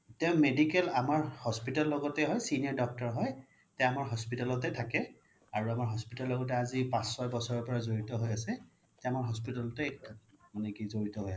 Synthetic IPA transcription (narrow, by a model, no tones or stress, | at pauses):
tɛ̃medikɛlamaɹhɔspitalːɔɡɔtɛɦɔjsiniɔɹdɔk̚tɔɹɦɔj | tɛjamaɹɦɔspitalɔtɛtʰakɛ | aɹuamaɹɦɔspitalːɔɡɔt̬ɛazipãsːɔjbɔsɔɹɔɹpɔɹazoɹitɔɦojasɛ | tɛamaɹɦɔspitalɔtɛmanɛkizoɹitɔɦoja